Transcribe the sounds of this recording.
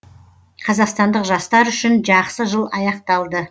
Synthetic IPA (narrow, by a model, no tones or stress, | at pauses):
qʰɑzɑqst̪ɑnd̪əqʒɑst̪ɑɾʏʃɪnʒɑqsəʒəlˠɑjɑqt̪ɑlˠd̪ə